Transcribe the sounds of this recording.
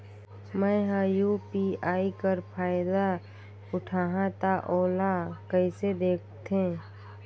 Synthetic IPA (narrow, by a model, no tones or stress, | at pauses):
mɛ̃ɦajuːpiaːikəɾpʰaːɪd̪a | ʊʈʰaːɦãt̪aʔoːlakəɪsed̪eːkʰt̪ʰẽ